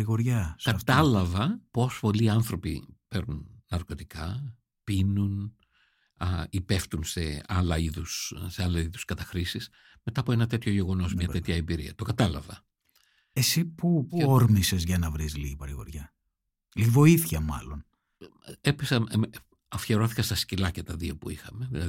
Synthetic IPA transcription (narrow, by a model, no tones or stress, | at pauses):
ɾiɣo̞ɾʝɐskɐft̪ɐlɐvɐpo̞spo̞liɐnθɾo̞pḭpe̞ɾnunnɐɾko̞t̪ikɐ | pinun | ipe̞ft̪unse̞ɐlɐiðusse̞ɐlɐsiðuskɐt̪ɐxɾisis | me̞t̪ɐːpoe̞nɐt̪e̞t̪çoʝe̞ɣo̞no̞zmɲɐt̪et̪çɐembiɾiɐt̪o̞kɐt̪ɐlɐvɐ | esipuoɾmisezʝɐnɐvɾizliɣipɐɾiɣo̞̰ɾʝɐ | livo̞iθçɐmɐ̰lo̞n | episɐn | ɐfçeɾo̞θi̥kɐst̪ɐscilɐcet̪ɐðio̞puixɐme̞ðilɐð